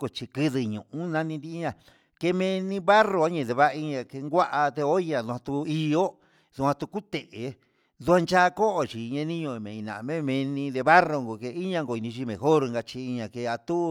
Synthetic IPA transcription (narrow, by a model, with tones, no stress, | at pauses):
ko˧t͡ʃi˧kɨ˧ðɨ˧ɲũ˨ʔũ˦nã˧nĩ˧nd̪i˧i˦ɲã˨ | ke˧mẽ˧nĩ˧βa˦ro˧a˦ɲẽ˧˨ðe˧βa˦˧i˧ɲã˧ke˧ŋɡʷa˦ʔa˧t̪e˧o˦ɲã˧˨ðu˧ã˧t̪u˧i˧o˦ | ðu˧hã˧t̪u˧ku˦t̪e˨ʔe˨ | d̪u˧a˧nt͡ʃa˦˧ko˦ʔo˧t͡ʃi˨˧ɲã˧nĩ˦ɲõ˧˨mẽ˨ĩ˧nã̰˨˧mẽ˦˧mẽ˧nĩ˧ðe˧βa˦ro˧ŋɡo˧ke˧i˦ɲã˧ŋɡo˧˨i˨˧nĩ˧ʃi˧mẽ˨xo˦ɾŋɡa˧t͡ʃi˧i˧ɲã˧˨ke˧a˧t̪u˦